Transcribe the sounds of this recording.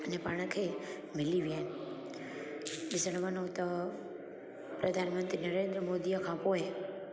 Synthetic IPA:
ənepaːɳ̃əkʰe | mɪliʋiaːɦɪnɪ | ɗɪsəɽ̃ʋanõt̪ɐ | pɾəd̪ʱaːnmənt̪ɾinəɾeːnd̪ɾəmoːd̪ijəkʰãpoːe

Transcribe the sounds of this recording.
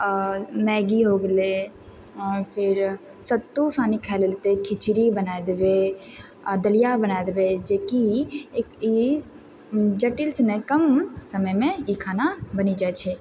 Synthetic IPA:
mɛːɡiɦoɡele | pʰɪɾ | sət̪ːusaːnikʰɛlelt̪ekʰɪt͡ʃɾibənaed̪ebe | d̪əlijabənaːed̪ebed͡ʒeki | i | d͡ʒəʈɪlsenɛkəmsəməjmẽikʰaːnabənid͡ʒat͡ʃʰɛ

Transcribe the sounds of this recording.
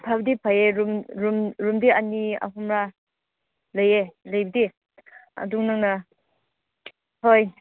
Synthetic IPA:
pʰabdipʰajeɾumɾumɾumdiɐnia̰ɦumɾa | lɐjelɐjbɐdi | ɐ̰duŋnaŋnɐ | hoj

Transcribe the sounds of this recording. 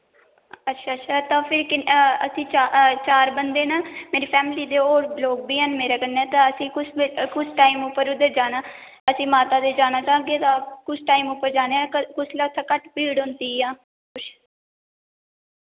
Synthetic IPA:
ətːʃʰaːtːʃʰaːt̪ãːpʰɪɾkɪəsĩːt͡ʃaːt͡ʃaːɾbənd̪eːnaːmeːɾiːpʰɛːmɪliːd̪eːoːɾloːk̚biːɦənmeːɾaːkənːɛːt̪ãːəsĩːkʊskʊsʈaːimʊpːəɾʊd̪əɾd͡ʒaːnaː | əsĩːmaːt̪aːd̪eːd͡ʒaːnaːt͡ʃaːɡeːt̪ãːkʊsʈaːimʊpːəɾd͡ʒaːneːɛːkʊslaːt̪ʰːaːkəʈpiːɽɦʊ̃nd̪iːãː | ʊ

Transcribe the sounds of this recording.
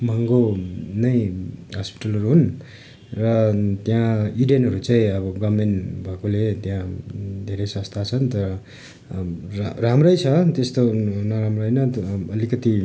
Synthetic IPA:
mʌŋɡonʌjɦʌspi̥ʈʌlʌɾuɦun | rʌt̪jãiɖenɦʌɾut͡saĩʌbʌɡʌmenʈbʱakolet̪jãd̪ʱeɾʌjsʌ̃st̪ʰat͡sʰʌnt̪ʌɾʌ | ramrʌjt͡sʰʌt̪est̪onʌɾamrʌjnʌʌlikʌt̪i

